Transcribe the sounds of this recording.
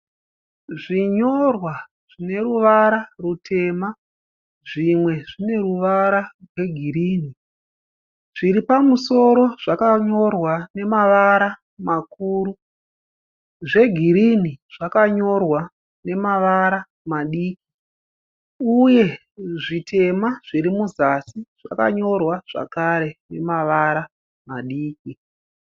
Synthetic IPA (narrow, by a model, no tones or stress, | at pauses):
ʐiɲo̞rwa | ʐ̥ine̞ɾuʋaɾarutʰe̞ma | ʐimwe̞ʐine̞ruʋaɾarwe̞ɡʱiɾiːni | ʐiɾipamuso̞ɾo̞ʐ̥akaɲo̞rwane̞maʋaɾa | makuːɾu | ʐe̞ɡʱiɾiniʐ̥akaɲo̞rwa | ne̞maʋaɾa | maɗiːki | uje̞ | ʐitʰe̞maʐ̥iɾimuzasiʐ̥a̰ka̰ɲo̞rwaʐ̥a̰kaɾe̞ne̞maʋaɾa | maɗiːki